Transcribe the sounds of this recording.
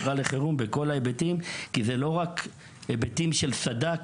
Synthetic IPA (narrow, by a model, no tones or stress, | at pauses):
ʁale̞χeʁumbeko̞laebetimkizelo̞ʁak | ebetimʃe̞lsad̪a